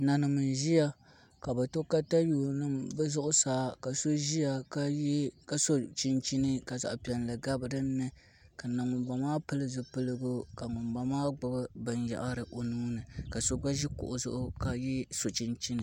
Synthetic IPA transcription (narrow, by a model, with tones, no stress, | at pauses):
na˨nɨ˨mɨ˨n˨ʒi˦ja˦ | ka˨ba˨to˦ka˦ta˦juː˨nɨ˦mbɨ˦zʊ˦ʔʊ˦saː˨˦ka˨so˦ʒi˦ja˨ka˦jka˦so˦t͡ʃi˦nt͡ʃi˦nɨ˦ka˨za̰˨ʔpi˨ɛ˨n˨lɨ˨ɡa˦bɨ˨dɨ˦mɛ˦ | ka˨na˨ŋʊ˨mɡ͡ba˨maː˦pɨ˦lɨ˦zɨ˨pɨ˦lɨ˦ɡʊ˦ka˨ŋʊ˨mba˨maː˦ɡ͡bɨ˦bɨ˦bɨ˨nja̰˨ʔa˦ɾɨ˨ʔo˨nuː˦nɨ˨ka˨so˦ɡ͡ba˦ʒi˦kʊ̰˨ʔʊ˨zʊ̰˦ʔʊ˦ka˨jɛ˦so˨t͡ʃi˦nt͡ʃi˦nɨ˨